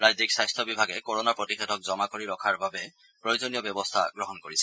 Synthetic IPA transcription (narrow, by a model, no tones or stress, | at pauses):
ɹajziksajstʰɔbibʱaɡɛkoɹɔnapɹɔtixɛdʱɔk̚zɔmakoɹiɹɔkʰaɹbabɛ | pɹojozonijɔbjɔbɔstʰa̰ɡɹɔɦɔnkoɹisɛ̥